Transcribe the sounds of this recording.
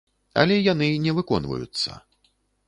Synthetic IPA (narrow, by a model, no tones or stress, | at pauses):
ɐ̰lʲɛjanɨnʲɛvɨkɔnvɐ̰jut̪sːɐ̰